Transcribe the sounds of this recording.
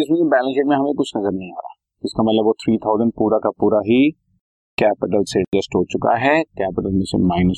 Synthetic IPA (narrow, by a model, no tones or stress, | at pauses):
ɪs̬mẽkebɛːlə̃nʃɪːʈmẽɦɐmẽkʊt͡ʃʰnɐzəɾnɐɦĩɦaːɾaːɛ | ɪskamɐt̪ləbot̪ʰɾiːt̪ʰaːʊzə̃ɳɖ̚puːɾakapuːɾaɦi | kɛːpɪʈ̬əlseɖd͡ʒɐsʈɦoːt͡ʃʊka̰ɦɛkɛːpɪʈəlmẽsḛmaːɪnəs